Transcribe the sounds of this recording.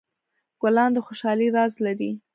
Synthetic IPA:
ɡ̥alɑnd̪əxoʃɑliɾɑzladi

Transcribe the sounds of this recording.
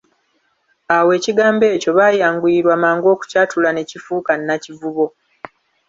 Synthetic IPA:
awe̞ːciɡaːmbe̞ːco̞βaːjaːŋɡuiɾwaːmaːŋɡo̞ːku̥catʰulane̞cifuːkanːacivuβo̞

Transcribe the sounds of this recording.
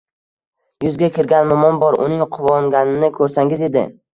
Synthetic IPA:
jʊzɡʲakʲʰɪɾɡʲanmɒmɒnbɒɾʊ̰nɪŋqʰʊvɒŋɡʲanɪnɪkʰɵɾsaŋɪze̞d̪ɪ̰

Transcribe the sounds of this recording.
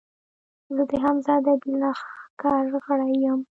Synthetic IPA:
zəd̪əɦamzɑd̪ad̪inɑxkɑɾɣəɽajam

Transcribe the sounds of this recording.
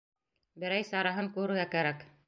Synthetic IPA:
bɘ̆ɾæjsɑɾɑɦɤŋkʉɾɘ̆ɾɡækæɾæk

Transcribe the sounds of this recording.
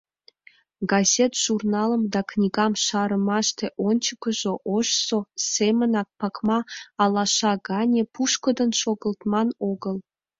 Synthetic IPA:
ɡazʲet̪ʒ̥urnɑlˠə̆md̪ɑknʲiɡɑmʃɑɾə̆mɑʃt̪ʰeʔont͡ɕəkəʒoʔoʃsosemənɑk̚pɑkmɑːlˠɑʃɑɡɑnʲepʰuʃkə̆d̪ə̆nʃoɡə̆lˠt̪mɑnoɡəlˠ

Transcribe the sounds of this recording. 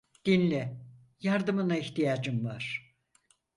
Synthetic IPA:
d̪̥inlʲɛ | jaɾd̪ɯmɯnaiçt̪ijaːd͡ʒɯmvaɾ̥

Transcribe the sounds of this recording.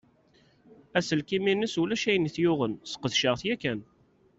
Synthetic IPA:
æsəlkiminəsulæʃæjniθjʊʁənsə̥qəθʃəʁθjækːæn

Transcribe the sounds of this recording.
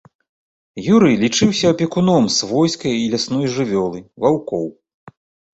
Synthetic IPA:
juɾɨjlʲit͡ʂɨwsʲɐːpʲɛkunɔmsvɔjskɐjilʲasnɔjʐɨvʲɔlˠɨvawkɔw

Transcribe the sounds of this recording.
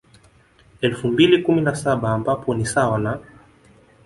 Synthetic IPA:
ɛlfumbilikuminasaɓaːmbapɔnisawana

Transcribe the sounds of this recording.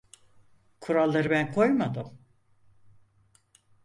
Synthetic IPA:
kʰuɾalˠːaɾɯbænkʰo̞jmad̪ɯm

